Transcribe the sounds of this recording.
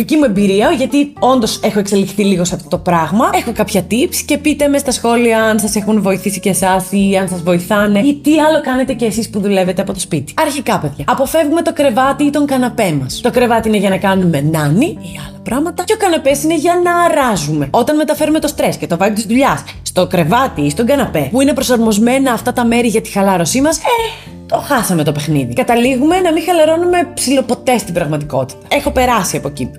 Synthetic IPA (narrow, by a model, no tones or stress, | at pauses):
ðicimue̞mbiɾiɐoʝɐt̪io̞nd̪o̞se̞xoe̞kse̞lifθiliɣo̞sɐft̪o̞t̪o̞pɾɐɣmɐexo̞kɐpçɐt̪ipsce̞pit̪e̞mest̪ɐsxo̞liɐɐnsɐse̞xunvo̞iθisicesɐsiɐnsɐzvo̞iθɐne̞it̪iɐlo̞kɐne̞t̪ece̞ːsispuðule̞ve̞t̪eɐpo̞t̪o̞spit̪i̥ɐɾçikɐpe̞ðʝɐɐpo̞fe̞vɣume̞t̪o̞kɾe̞vɐt̪iit̪o̞ŋkɐnɐpe̞mɐst̪o̞kɾe̞vɐt̪iine̞ʝɐnɐkɐnume̞nɐniiɐlɐpɾɐmɐt̪ɐceo̞kɐnɐpe̞sineʝɐnɐɾɐzume̞ot̪ɐnme̞t̪ɐfe̞ɾume̞t̪o̞st̪ɾe̞scet̪o̞vɐliot̪izðuʎɐsːt̪o̞kɾe̞vɐt̪iist̪o̞ŋɡɐnɐpe̞puine̞pɾo̞sɐɾmo̞zme̞nɐːft̪ɐt̪ɐme̞ɾiʝɐt̪i̥xɐlɐɾo̞simɐse | t̪o̞xɐsɐme̞t̪ope̞xniðikɐt̪ɐliɣume̞nɐmixɐlɐɾo̞nume̞psilo̞po̞t̪e̞st̪ibɾɐɣmɐt̪iko̞t̪i̥t̪ɐ̥exo̞pe̞ɾɐsiɐpo̞cḭp